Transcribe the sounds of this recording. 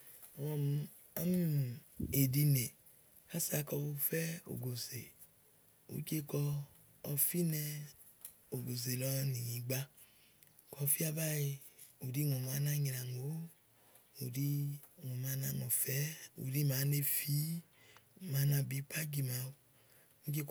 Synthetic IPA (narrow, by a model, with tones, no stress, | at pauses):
wɔ˧m˧ | a˦m˦˨e˨di˧ne˨ | ka˦sa˧˦kɔ˧wu˧fɛ˦o̰˨ɡo˨ze˨ | ṵ˨˦ke˦kɔ˧ | ɔ˧fi˦nɛ˧ | o˨ɡo˨ze˨lɔ˧ni˨ɲĩ˨˦ɡ͡ba˧ | kɔ˧˦fi˦a˧ba˦i˧u˨di˦ŋu˨ma˨˦na˦˧ɲi˨˧ɾa˨ŋo˨˦ | u˨di˧˦ŋo˨ma˧˦na˧ŋo˨fɛ˦ṵ˨ɾi˦maː˨˦ne˧fi˦˨ | ma˨˦na˧bi˨˦pʰa˦ɡi˧˨ma˧ | u˦ke˧k